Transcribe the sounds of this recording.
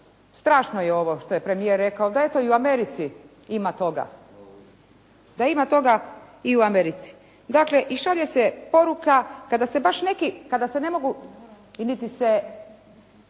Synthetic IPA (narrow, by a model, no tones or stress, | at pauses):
st̪ɾaːʃnojeo̞ʋoʃt̪o̞je̞pɾe̞mijeɾːe̞kaod̪ae̞t̪o̞iuameɾit̪si | imat̪o̞ɡa̰ | d̪aimat̪o̞ɡa | iuameɾit̪si̥ | d̪akle̞ʔiʃaʋʎesepo̞ɾukakad̪asebaʃne̞kikad̪asene̞mo̞ɡu | nit̪ise